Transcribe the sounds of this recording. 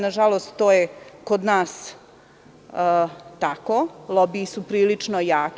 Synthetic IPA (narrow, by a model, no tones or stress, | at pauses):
naʒalost̪t̪oːjekod̪naːs | t̪akolˠobiːsupɾiːlit͡ʂnojaːk